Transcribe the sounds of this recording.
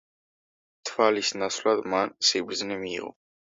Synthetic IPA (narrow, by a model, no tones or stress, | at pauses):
t̪ʰvalisnaslad̪mansibɾd̪znɛmḭːʁɔ̰